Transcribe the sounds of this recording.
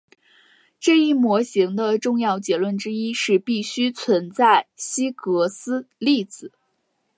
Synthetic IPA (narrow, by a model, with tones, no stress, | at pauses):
ʈ͡ʂɤ˥˧i˥˩mwɔ˧˥ɕi˧˥ŋd̪ə˧ʈ͡ʂʊ˥˧ŋjɑ˥˩ʊt͡ɕjɛ˧˥lwə˥˩nʈ͡ʂɻ̩˥i˥ʂɻ̩˥˧pi˥˩ɕy˥t͡sʰwə˧˥nt͡sa˥˩ɪɕi˥kɤ˧˥sɹ̩˥li˥˩t͡sɹ̩˨˩˦